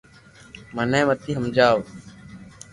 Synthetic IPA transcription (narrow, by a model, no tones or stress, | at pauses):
mənẽːmət̪iːɦəmd͡ʒaːʋ